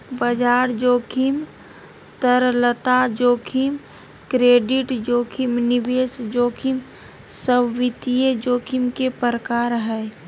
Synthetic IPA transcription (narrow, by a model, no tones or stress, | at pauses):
bəd͡ʒaːɾd͡ʒoːkʰim | t̪əɾlət̪ad͡ʒoːkʰim | kɾeːɖiʈd͡ʒoːkʰimnibeːsd͡ʒoːkʰim | səbʋit̪ijed͡ʒoːkʰimkepəɾəkaːɾɦɛj